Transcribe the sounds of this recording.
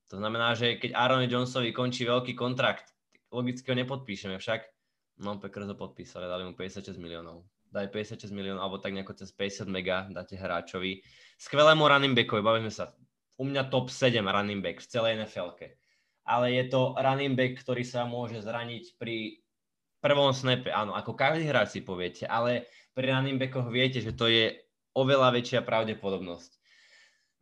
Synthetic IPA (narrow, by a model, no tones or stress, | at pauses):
t̪ɔznamɛnaːʒɛkɛɟʔaɾɔnid͡ʒɔnsɔʋikɔnt͡ʃiːʋɛʎkiːkɔnt̪ɾakt̪ | lɔɡit͡skiɦɔɲɛpɔt̪̚piːʃɛmɛfʃak | nɔmpɛkr̩zɦɔpɔt̪̚piːsalad̪alimupɛɟɛsɪat̪ʃɛzɟmiliɔːnɔʊ | d̪aːpɛɟɛsjat̪ʃɛzmiliɔnʊalɛbɔt̪aɡɲɛakɔt͡sɛspɛɟɛsɪad̪mɛɡad̪acɛɦɾa̰ːt͡ʃɔʋi | skʋɛlɛːmuɾanimbɛkɔʋibaʋizmɛsa | umɲat̪ɔpsɛɟɛmɾanimbɛkft͡sɛlɛɛnɛfɛlkɛ | ʔalɛjɛt̪ɔɾanimbɛkːt̪ɔɾiːsamʊɔʒɛzɾaɲicpɾi | pr̩ʋɔmsnɛpɛʔa̰ːnɔakɔkaʒd̪iɦɾaːt͡sipɔʋɪɛcɛʔalɛ | pɾiɾanimbɛkɔɣʋɪɛcɛʒɛt̪ɔjɛ | ɔʋɛlaʋɛt͡ʃɪapɾaʊɟɛpɔd̪ɔbnɔsc